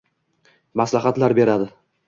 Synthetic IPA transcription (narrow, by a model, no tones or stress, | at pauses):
maslaɦat̪laɾbe̞ɾad̪ɪ